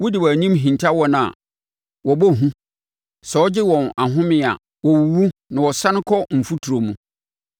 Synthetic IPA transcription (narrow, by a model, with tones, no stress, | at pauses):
wu˦dɪ˨waː˨ɲĩ˦mɦĩ˨ntʰa˦wɔ˦n˨a̰˨ | wɔ˨bɔ˦ɦũ˦ | sɛ˨˦ɔ˦d͡ʑɪ˦wɔ̃˨na˨ɦʊ̃˦mɪ̃˦a̰˨ | wɔ˨wu˨wu˦nã˨wɔ˨sa˦nʊ̃˦kʰɔ˦m̩˨fu˦tʰu˨ɾo˨mũ˨